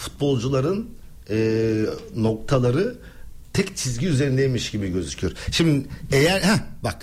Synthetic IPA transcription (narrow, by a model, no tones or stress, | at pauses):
fu̥t̪̚bo̞lˠd͡ʒulˠaɾɯn | ɯːno̞k̚t̪ʰalˠaɾɯ | t̪ʰɛct͡ʃʰizɟiyze̞ɾind̪ejmiʃɟibiɟø̞zycʰyjoɾʃimd̪ɪejæɾhæbak